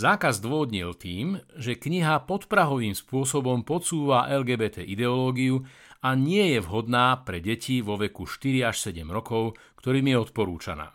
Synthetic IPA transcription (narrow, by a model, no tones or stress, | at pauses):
zaːkazd̪ʋɔɦɔd̪ɲilt̪iːmʒɛkɲiɦapɔt̪pɾaɦɔʋiːmspʊɔsɔbɔmpɔt͡suːʋaʔɛlɡɛːbɛːt̪ɛːʔid̪ɛɔlɔːɡiju | aɲɪɛjɛʋɦɔd̪naːpɾɛɟɛciʋɔʋɛkuʃt̪iɾiaʃsɛɟɛmɾɔkɔʊ | kt̪ɔɾiːmjɛɔt̪pɔɾuːt͡ʃa̰na̰ː